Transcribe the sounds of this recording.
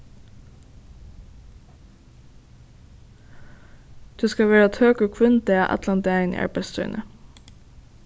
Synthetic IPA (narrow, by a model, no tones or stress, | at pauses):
d̪̥ʉːskɑʋeːɹət̪høːkəkʰʋʉnd̪eːɑ̰ʔæ̰t̪lɑnd̪eæɪn̰ʔɑ̰ɹbæst̪ʰʉ̰ːnʔə